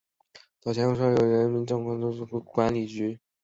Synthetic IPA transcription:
t͡sɑ˨˩ʊt͡ɕʰɛ˧˥o˥ʂɑ˥ʊjo˨˩ʊɻə˧˥nmi˧˥nʈ͡ʂɤ˥˩ŋkʰwɑ˥˩t̪o˥ʂ̩˥˩kkwa˧˥nli˨˩t͡ɕy˧˥

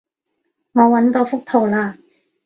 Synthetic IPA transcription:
ŋɔː˨˧wɐ˨˥nt̪oː˧fʊ˥k̚t̪ʰo˨˩wlaː˧

